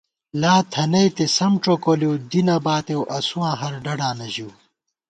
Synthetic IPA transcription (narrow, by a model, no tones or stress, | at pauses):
laːt̪ʰɐnɐjt̪esɐmʈ͡ʂokoliwd̪inɐbaːt̪ewʔɐsuwãːɦɐɾɖɐɖãːnɐʑiw